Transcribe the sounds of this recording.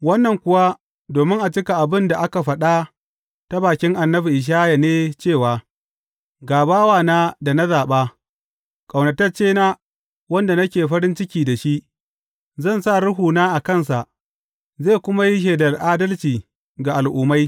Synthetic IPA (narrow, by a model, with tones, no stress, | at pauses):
wɐ˦nːɐ˨ŋkʷʊ˨wa˦ | doː˨mɪ˦ŋʔa˨t͡ʃɪ˦ka˨ʔa˨bɪ˦nda˨ʔa˦ka˨ɸɐ˦ɗa˦ | ta˦baː˨kʲɪ˦ŋʔa˨nːɐ˦ɸi˨ʔɪ˨ʃ̬aː˦ja˨neː˦t͡ʃeː˦˨waː˨ | ɡaː˨baː˦waː˨naː˦da˨na˦zaː˨ɓa˦ | kʼa˨wnɐ˨tɐ˦rt͡ʃeː˦naː˦ | wɐ˦nda˨nɐ˦kʲeː˨ɸɐ˦ɾɪ˦nt͡ʃɪ˦kʲiː˨da˨ʃi˦ʔ | zɐ˦˨nsa˦˨ɽʊ˦ɦuː˨naː˦ʔa˨kɐ˦˨ns̬a˨ʔ | zeː˦˨kʷʊ˦ma˦ji˦ʃ̬eː˨dɐ˨lʔaː˦dɐ˦lt͡ʃiː˨ | ɡa˨ʔa˨lʔʊː˨ma˦j